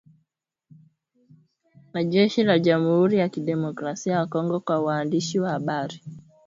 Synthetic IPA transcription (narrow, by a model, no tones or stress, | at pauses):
naʄɛʃilad͡ʒam̩huɾijakiɗɛmɔkɾasiajakɔŋɡɔkwawaːndiʃiwahaɓaɾi